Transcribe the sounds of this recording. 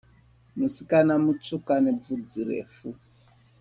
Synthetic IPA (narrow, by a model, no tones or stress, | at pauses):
musikanamut͡ʂukaned͡zud͡zirḛːfu